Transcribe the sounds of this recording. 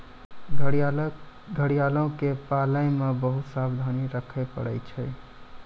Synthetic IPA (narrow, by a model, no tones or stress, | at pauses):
ɡʱəɽijalɔ̃kepalə̃ɪmebəɦut̪sabd̪ʱaniɾəkʰɛpə̰ɽəjt͡ʃʰəj